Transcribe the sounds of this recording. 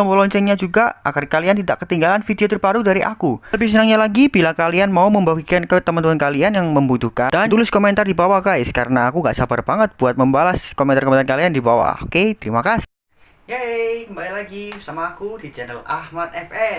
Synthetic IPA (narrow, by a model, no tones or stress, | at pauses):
ɔmpəlɔɲt͡ʃɛnɲad͡ʒuɡaa̰kərkaliant̪ida̰ʔkət̪iŋɡalanfidiot̪ərpaɾudaɾiʔa̰kuləbis̬ənaŋɲalaɡibilakalianmauməmbaɡikankat̪ːəmant̪əmankalianjaŋməmbut̪uhkad̥ant̪ulɪskomɛnt̪ardibawakaɪskaɾənaːkuŋɡaʔsabərbaŋət̪̚b̥uat̪̚məmbalaskomɛnarkomɛnarkaliandibawa̰o̰ket̪əɾimakasɪ̥ | jekəmbalilaɡisamaːkudid͡ʒanəlahmat̪ɛfɛ